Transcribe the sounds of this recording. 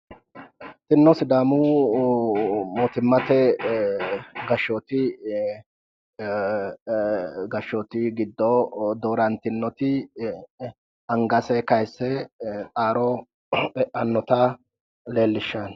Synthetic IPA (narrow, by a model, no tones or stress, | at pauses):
t̪ɪnːɔsɪd̪aːmʊ | moːt̪ɪmːɐt̪ɛ | ɡɐʃːoːt̪ɪ | ɡɐʃːɔːt̪ɪɡɪd̪ːɔd̪oːɾɐnt̪ɪnːɔt̪ɪ | ɐŋɡɐsɛkɐjsːɛt͡sʼaːɾɔ | ɐnːɔt̪a | le̞ːlːɪʃːan